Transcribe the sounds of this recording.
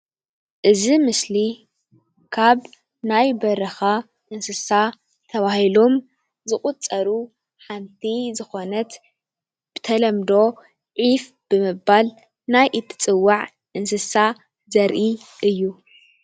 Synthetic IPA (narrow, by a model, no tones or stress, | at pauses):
ʔɨzimɨsli | kʰaβ | najbɐɾɐxa | ʔɨnsɨsa | t̪ʰɐβahilo̞m | zɨχʼut͡sʼːɐɾu | ħant̪ʰizɨxo̞nɐt̪ | b̥ɨt̪ʰɐlɐmd̪o̞ | ʕif | b̥ɨmɨbal | najʔɨt̪ʰːɨ̥t͡sʼɨwːaʕ | ʔɨnsɨsa | zɐɾʔiʔɨjːu